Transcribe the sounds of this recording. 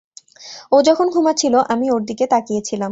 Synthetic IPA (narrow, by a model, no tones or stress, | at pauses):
od͡ʑɔkʰonɡʱumat͡ɕʰiloʔamioɾd̪iket̪akijet͡ɕʰilam